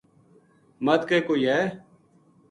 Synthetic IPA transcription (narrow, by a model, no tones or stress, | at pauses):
mət̪keːkoːiɦɛː